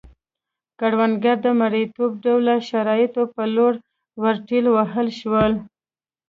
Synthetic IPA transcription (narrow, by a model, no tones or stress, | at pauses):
kaɽwanɡaɾd̪əmaɽət̪ob̚ɖawlaʃaɾɑjɪt̪opəloɽ | waɾʈilwaɦəlʃwəl